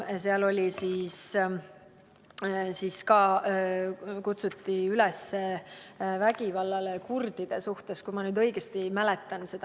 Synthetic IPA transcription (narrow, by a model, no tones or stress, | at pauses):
seɑlo̞lʲisiːs | siːskɑː | kut̪sut̪ːˑiylɛsːe | væɡ̥ivɑlːɑlekurd̪̥id̪̥e̞suht̪e̞skujmɑnyːd̪ɤjɡ̥est̪imælet̪ːˑɑnse̞d̪̥ɑ